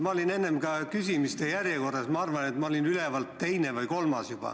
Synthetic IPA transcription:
mɑolʲine̞nːemkɑkysʲimist̪ejærjeko̞rːɑsmɑɑrvɑnet̪mɑo̞lʲinylevɑlt̪ːe̞jne̞vɯjko̞lmɑsjub̥ɑ̰

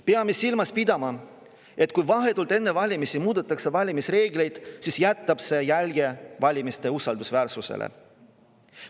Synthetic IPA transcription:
peɑmesilmɑspid̪ɑmɑ | e̞t̪ːˑkujvɑɦe̞t̪ult̪e̞nːe̞vɑlʲimisimuːd̪̥et̪ːˑɑksevɑlʲimisre̞ːɡle̞jd̪̥sisjæt̪ːɑb̥se̞jælʲɡ̥evɑlʲimist̪e̞usɑld̪usvæːrsuse̞̰lʔḛ

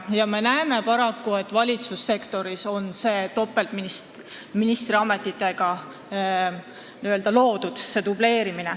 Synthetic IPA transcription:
jɑme̞næeme̞pɑɾɑkːue̞t̪ːˑvɑlʲit̪susːe̞kt̪o̞ɾiso̞nse̞ːt̪o̞pːe̞lt̪minis | minist̪ɾiɑme̞t̪ːˑit̪ːˑe̞ɡ̥ɑ | niøld̪̥ɑlo̞ːd̪̥ud̪̥se̞t̪uble̞ːɾimine

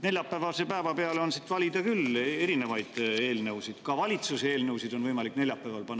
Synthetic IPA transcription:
ne̞lʲjɑpːˑævɑlsepæevɑpeɑleo̞nsit̪ːˑvɑlʲid̪̥ɑkyle̞ɾine̞vɑjd̪̥e̞ːlnɤwsid̪̥kɑvɑlʲit̪suseeːlnɤwsid̪̥o̞nvɤjmɑlikne̞lʲjɑpːˑævɑlpɑnː

